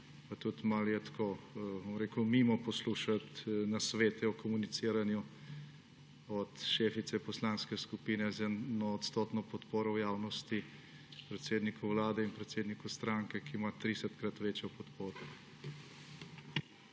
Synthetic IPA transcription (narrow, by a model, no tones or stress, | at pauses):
pat̪ut̪maljɛt̪ḁkʰobomɾeːkʊmimɔpɔsluːʃat̪nasʋeːt̪ɛɔkɔmunit̪siːɾanju | ɔt̪ʃeːfit̪sɛpɔslanskɛskupiːnɛzɛnɔːt̪st̪oːt̪nɔpɔt̪poːɾɔwjaːwnɔst̪i | pɾɛt̪seːd̪nikʊwlaːd̪ɛinpɾɛt̪seːd̪nikust̪ɾaːŋkɛkiːmat̪ɾisɛt̪kɾat̪ʋeːt͡ʃjɔpɔt̪poːɾɔ